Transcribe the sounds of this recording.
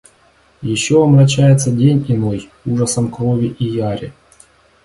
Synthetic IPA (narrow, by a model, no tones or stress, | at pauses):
jɪɕːoɐmrɐt͡ɕːajɪt̪sədʲenʲɪnoj | uʐəsəmkɾovʲiʔijaɾʲɪ̰